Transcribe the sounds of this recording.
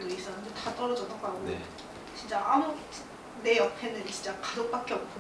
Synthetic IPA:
dois͈ʌɯndetat͈ʌɾʌd͡ʑʌt͈ak͈ae | t͡ɕint͡ɕ͈aʔamu | ne̞jʌpʰe̞nɯnt͡ɕint͡ɕ͈akad͡ʑok̚p͈ak͈eʌp̚ʰ

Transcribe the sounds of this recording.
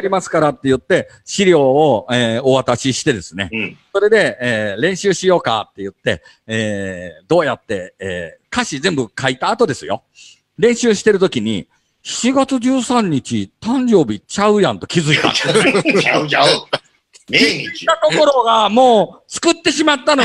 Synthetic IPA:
ɾʲimasɨ̥kaɾat̪ːe̞jɯ̟t̪ːe̞ | ɕiɾʲo̞ːoeːoβat̪aɕiɕi̥t̪e̞d̪e̞sɨne̞̰so̞ɾe̞d̪e̞eːɾẽ̞ɰ̃ɕɨːɕijo̞ːka̰t̪ːe̞jɯ̟t̪ːe̞ | eːd̪o̞ːjat̪ːe̞eːkaɕizẽ̞mbɯ̟kait̪aːt̪o̞d̪e̞sɨjo̞̰ | ɾẽ̞ɰ̃ɕɨːɕi̥t̪e̞ɾɯ̟t̪o̞kʲiɲ̟ḭ | çi̥t͡ɕiɡat͡sɨd͡ʑɨːsãɲ̟ːit͡ɕit̪ãɲ̟d͡ʑo̞ːbʲit͡ɕaɯ̟jãnt̪o̞kʲizɨit̪a̰ | t̪at̪o̞ko̞ɾo̞ɡamo̞ːt͡sɨ̥kɯ̟t̪ːe̞ɕimat̪ːano

